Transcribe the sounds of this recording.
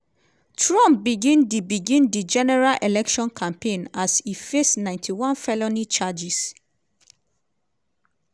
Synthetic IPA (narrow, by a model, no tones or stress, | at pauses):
tʰɹɔ̃mp̚biɡĩndibiɡĩndid͡ʒɛnɛɹalʔelɛkʃɔ̃nkʰãmpʰẽnasifesnãɪ̃ntʰiwãnfɛlonit͡ʃad͡ʒis